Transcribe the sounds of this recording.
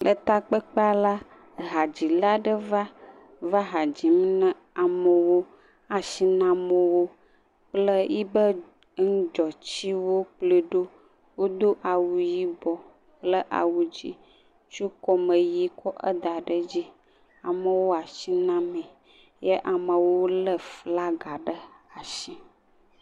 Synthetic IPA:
lʔə˨t̪a˦k͡pə˦k͡pa˦la˦ | ɦa˨d͡ʑi˨la˦ɖə˦va˦ | va˦ɦa˨d͡ʑi˨m˦nə̃˦ | a˨mə˨wo˦ | a˨ʃi˦nã˦mə̃˨wo˦ | k͡plə˦ji˦bə˦ | ŋ̩˦d͡ʒɔ˨t͡ɕi˦wo˦k͡plə˦ɖo˦ | wo˦d̪o˦ʔa˨wu˨ji˦bɔ˨ | plə˦ʔa̰˨wu˦d͡ʑi˦ | t͡ʃu˦kɔ˦mə˨ji˦kɔ˦ʔə̰˦d̪a˨ɖə˦d͡ʑi˦ | a˨mə˨wo˦a˨ʃi˦nã˦mɛ̃˨ | jə˦ʔa˨mə˨wo˦lə˦fla˦ɡa˨ɖə˦a˨ʃi˦

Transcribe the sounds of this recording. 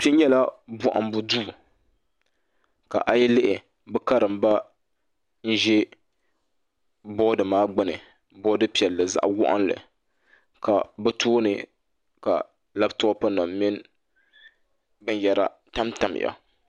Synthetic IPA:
pi˦ɲɛ˦la˦bʊ˦ʔa̰˨m˦bʊ˦duː˦˨ | ka̰˨ʔa˨jɪ˦lɪ˦ʔɪ˨ | bɨ˦ka˦ɾɨ˨mba˦ | n̩˦ʒɛ˦ | bɔ˦dɨ˨maː˦ɡ͡bɨ˦nɨ̰˨ | bɔ˦dɨ˦pi˨ɛ˨lːɨ˨za̰˦ʔwʊ̰˦ʔa̰˦nlɨ̰˨ | ka˨bɨ˦toː˦nɨ̰˨ | ka̰˨ | la˦bto˦pa˦na˨mmɪ˦n | bɨ˦n˦jɛ˦ɾa̰˦ | ta˦mta˨m̰˨ja̰˨

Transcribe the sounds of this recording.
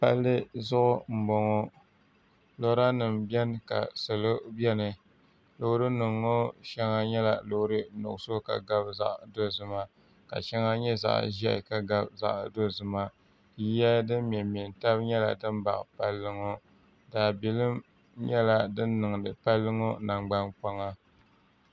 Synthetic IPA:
pa̰˦lːɨ˦zʊ˦ʔʊ˦m̩˨bɔ˨ŋo˦ | lo˦ɾa˦nɨ˨mbɛ˦n˦ka̰˨sɨ˨lo˦bɛ˦nɨ˨ | lo˨hɾɨ˦nɨ˨ŋːo˦ʃɛ˦ŋa˦ɲɛ˦la˨lo˨˦ɾɨ˦nʊ˨ʔso˦ka̰˨ɡa˦bza̰˦ʔdo˦zɨ˦ma˦ | ka̰˨ʃɛ˦ŋa˦ɲɛ˦za̰˨ʔʒɛ̰˦˨ka˨ɡa˦bza̰˦ʔdo˦zɨ˨ma˦˨ | ji˦ja˦dɨ˦mm˨ɛ˨mi˨nta˦bɲɛ˦la̰˨dɨ˦m˦ba̰˨ʔpa˦lːɨ˦ŋo˦ | daː˨bi˨lɨ˦m | ɲɛ˦la˦dɨ˦nː˦ɨ˨ŋ˨dɨ˨pa˦lːɨ˦ŋo˦na˨ŋ͡mɡ͡ba˦nk͡pa˦ŋa˦

